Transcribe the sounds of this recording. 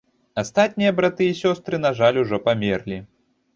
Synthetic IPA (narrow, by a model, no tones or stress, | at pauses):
ast̪at̪̚ʲnʲijɐbɾat̪ɨjisʲɔst̪ɾɨn̪aʐalʲuʐɔpamʲɛrlʲi